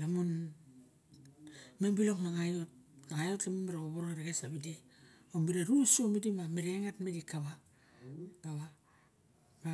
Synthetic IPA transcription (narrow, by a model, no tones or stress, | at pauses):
lamun | membiloknaŋajot̚naŋajoemembiɾaoβoɾoŋaɾeɡesaβidi | ombiɾaɾusomidimamiɾeŋatmidikaβa | kaβa | ka